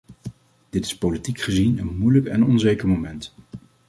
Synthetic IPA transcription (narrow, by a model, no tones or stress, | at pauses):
d̥ɪtɪ̥spolitikχəzinənmujləkɛ̰nɔnzejkəɹmomɛnt